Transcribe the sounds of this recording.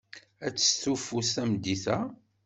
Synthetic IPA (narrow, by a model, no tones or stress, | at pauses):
æt͡sːə̥sθufusæmd̪iθæ